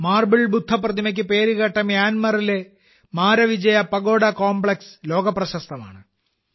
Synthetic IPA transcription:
maːrbɐɭbud̪ʱːɐprɐd̪ʱimɐk̬ʲːɨpe̞ːɾuɣɐʈːɐmjaːnmɐrile̞ | maːɾɐʋid͡ʑɐjɐpɐɡo̞ːɽɐkoːmbɭekslo̞ːɡɐpːrɐɕɐst̪ʰɐma̰ːɳɨ

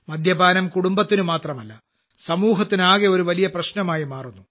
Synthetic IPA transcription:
mɐd̪ʱjɐbaːnɐmkuɽumbɐt̪ːinumaːt̪rɐmɐlːɐ | sɐmuːɦɐt̪ːinaːɣeo̞ɾuʋɐlijɐprɐɕnɐmaːjimaːrunːu

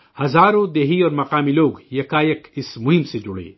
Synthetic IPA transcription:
hɐzaːɾõd̪eːɦiɔːɾmɐqaːmiloːɡjɐkaːjəkɪsmʊɦɪmsed͡ʒʊɽḛː

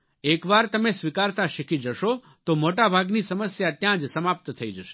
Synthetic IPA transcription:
ekʋaɾt̪əmesʋikaɾt̪aʃikid͡ʒəʃo | t̪omoʈabʱaɡnisəməsjat̪jãd͡ʒsəmap̚t̪t̪ʰəid͡ʒəʃe̥

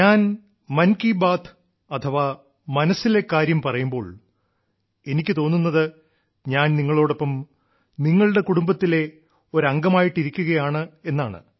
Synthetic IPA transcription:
aːn | mɐnkibaːt̪ʰ | ɐt̪ʰɐʋaː | mɐnɐsːilekːaːɾjɐmpɐrɐjumbo̞ːɭ | e̞nikʲːɨt̪o̞ːnːunːɐðɨ | ɲaːnniŋːɐɭoːɽopːɐm | niŋːɐɭɨɽe̞kuɽumbɐt̪ːile̞ | o̞ɾɐŋɡɐmaːjiʈːiɾikʲːuɣɐjaːɳɨe̞nːaːɳɨ̰

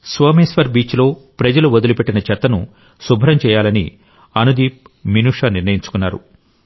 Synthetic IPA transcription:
sʋɐːmeːsʋɐɾbiːt͡ʃlo̞ːpɾɐd͡ʒɐluod̪ulupeʈːinɐt͡ʃɐt̪ːɐnu | subʱɐɾɐmt͡ʃɛːjaːlɐnḭ | ɐnud̪iːp̚ | minuːʂaːniɾnɐjiɲt͡ʃu̥kunːaːɾṵ

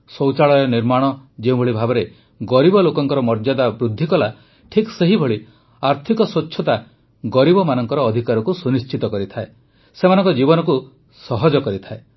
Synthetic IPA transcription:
sɔwt͡ʃaɭɔjɔniɾmaɽ̃ɔd͡ʒeũbʱɔɭibʱabɔɾe | ɡɔɾibɔlokɔŋkɔɾɔmɔɾd͡ʒad̪abɾud̪ʱːikɔla | ʈʰikseɦibʱɔɭi | aɾt̪ʰikɔsot͡ʃːʃʰɔt̪a | ɡɔɾibɔmanɔŋkɔɾɔːd̪ʱikaɾɔkusunist͡ʃʰit̪ɔkɔɾit̪ʰae | semanɔŋkɔd͡ʒibɔnɔku | sɔɦɔd͡ʒɔkɔɾit̪ʰae

